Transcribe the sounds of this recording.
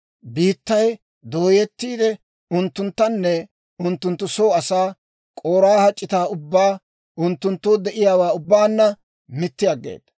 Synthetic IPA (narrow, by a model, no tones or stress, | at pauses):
biːt̪ːɐj | d̪oːjɛt̪ːiːd̪ɛ | ʊnt̪ːʊnt̪ːɐnːɛ | ʊnt̪ːʊnt̪ːʊso̞ːɐsaː | kʼoːɾaːhɐt͡ʃʼːɪt̪aːʊbːaː | ʊnt̪ːʊnt̪ːoːd̪ɛʔɪjaːwaːʊbːaːnːɐ | mɪt̪ːɪjɐɡːḛːd̪̥